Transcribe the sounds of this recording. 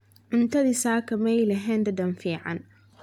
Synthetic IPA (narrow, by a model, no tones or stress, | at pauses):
ʕʊnt̪ʰɐðiːsaːkʰɐmɛjlɐɦɛːnd̪ɐd̪ɐnfiːʕɑ̰n